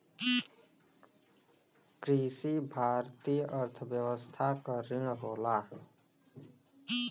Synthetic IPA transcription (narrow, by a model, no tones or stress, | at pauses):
kɾiːsibʱaːɾt̪iːjʔəɾt̪ʰʋjəwəst̪ʰakəɾɪɽ̃ɦoːlaː